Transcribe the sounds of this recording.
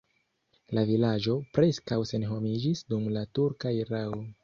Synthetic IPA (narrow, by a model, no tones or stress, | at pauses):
lavilad͡ʒo̞pɾe̞skawse̞nɦo̞mid͡ʒisdumlatuɾkaiɾao